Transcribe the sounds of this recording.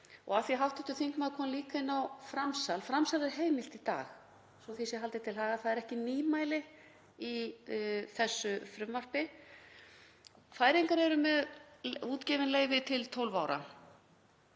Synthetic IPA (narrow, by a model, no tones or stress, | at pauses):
ɔ̰ɣaθjiɦawht̪ɪht̪ʏθiŋkmaðkʰɔːmliːkainːawfɾamsalfɾamsalɛɾ̥ɦeːjmɪl̥t̪it̪a̰ːx | sɔθisjɛɦalt̪ɪt̪ʰɪlɦaːɣaθaðɛɾɛhcɪniːmaːjlɪ | i | θɛsːʏfɾʏmvar̥pɪ | faːjɾiŋkaɾɛɾʏmɛðuːt̪cɛːvɪnleːjvɪt̪ʰɪlt̪ʰowlvawɾa̰